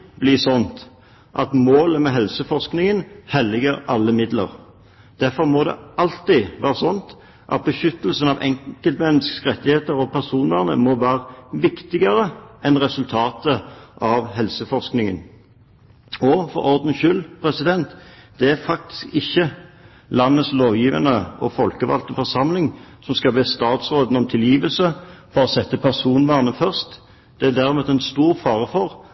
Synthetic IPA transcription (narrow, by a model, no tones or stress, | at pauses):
bliːsɔnt̪ | ʔɑt̪moːləmɛɦɛlsəfɔʁsknɪŋənhɛlɪɡəɾʔɑlːəmɪd̪lə̰ɾ | d̪̥æʁfɔʁmɔd̪ɛ̰ʔɑlt̪iʋæːʁəsɔnt̪ | ʔɑ̰t̪̚bəʃʏt̪ːəlsənɑʋʔɛ̰ŋkəlt̪mɛnːəskʁɛt̪ːɪheːt̪əɾɔpʰæʁsuːnəʁnə̰mɔʋæːʁəʋɪkt̪ɪɡəɾəɛnʁɛsʉlt̪ʰɑːt̪əʔɑʋɦɛlsəfɔʁsknɪŋə̰n | ɔfɔ̰ɾɔʁd̪n̩ʃʏlːpʰʁɛsɪd̪ɛnt̪d̪̥ɛæfɑk̚t̪ɪ̥skɪçːə | lɑnːəsloːʋjiːʋənəʔɔ̰fɔlkəʋɑ̰lt̪əfɔʁsɑmlɪŋsɔmskɑlbɛst̪ɑːt̪sʁoːd̪n̩ɔmt̪ʰɪljiːʋəlsəfɔʁɔsɛt̪ːəpʰæʁsuːnʋæːʁnəfœʁst̪ | d̪̥ɛæd̪æʁmɛːt̪ɛnst̪uːʁfɑːʁəfɔʁ